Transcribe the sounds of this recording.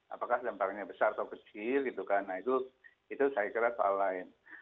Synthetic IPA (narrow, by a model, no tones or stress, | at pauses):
a̰pakahdamp̪arɲabəsarat̪awkət͡ʃɪlɡit̪ukanait̪u | it̪usajakəɾasoa̰laɪn